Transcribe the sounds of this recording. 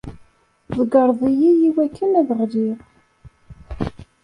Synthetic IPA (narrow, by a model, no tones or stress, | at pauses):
ðˤəɡəɾˤðˤijijiwækʰːənæðəʁliʁ